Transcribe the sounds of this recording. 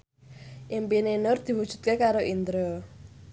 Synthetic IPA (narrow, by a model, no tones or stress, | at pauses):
ʔimpinenʊrd̪̥i̤wud̥ʒ̥ṳt̪̚kekaɾoʔind̪ɾo